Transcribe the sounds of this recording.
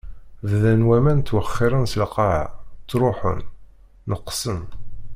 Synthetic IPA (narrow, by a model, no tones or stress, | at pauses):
ððænwæmænt̪ːwəχːɪɾˤənsəlqɑʕ̰t͡sːɾˤoħə̰nː | əqːsən